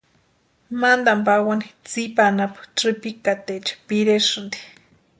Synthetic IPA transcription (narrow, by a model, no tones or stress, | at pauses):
mand̪ampawanit͡sipanapḁʈ͡ʂɨpikat̪et͡ʃḁpiɾeʂɨnd̪i̥